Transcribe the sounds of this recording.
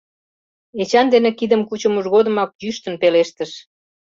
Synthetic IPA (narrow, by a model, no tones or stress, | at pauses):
et͡ɕɑnd̪enekid̪əmkut͡ɕə̆muʒɣod̪ə̆mɑk̚jyʃt̪ənpeleʃt̪əʃ